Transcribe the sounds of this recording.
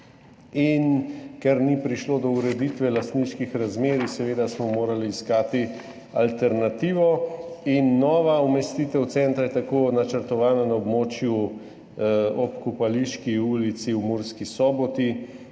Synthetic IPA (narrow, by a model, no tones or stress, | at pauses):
inkɛɾnipɾiʃloːd̪ɔuɾɛd̪iːt̪ʋɛlast̪niʃkixɾazmeːɾisɛʋeːd̪asmɔmoːɾaliːskaːt̪i | a̰lt̪ɛɾnat̪iːʋɔinːɔːʋaumɛst̪iːt̪ɛwt̪sɛnt̪ɾajɛt̪akoːnat͡ʃəɾt̪ɔʋaːnanaɔbmoːt͡ʃju | ɔpkupaliʃkiuːlit̪siwmuɾskisɔːbɔt̪i